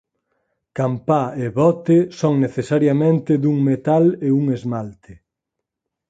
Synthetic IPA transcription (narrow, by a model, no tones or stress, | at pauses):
kampaeβɔt̪esoŋneθesaɾjamẽnt̪ɪðuŋmet̪aleuŋezmalt̪ɪ